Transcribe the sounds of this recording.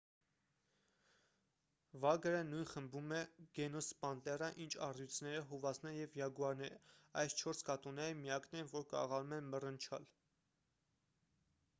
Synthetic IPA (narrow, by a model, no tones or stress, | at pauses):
vɑɡəɾənujnχəmbumɛɡ̥ɛnɔspɑnt̪ɛrəʔint͡ʃʰɑrjut͡sʰnɛɾəɦuvɑsʰnɛnjɛvjɑɡuɑɾnɛɾɑjst͡ʃʰɔɾskɑt̪ɔnɛɾəmijɑknɛnvɔɾkɑ̰ʁɑlumɛnmərənt͡ʃʰɑ̰l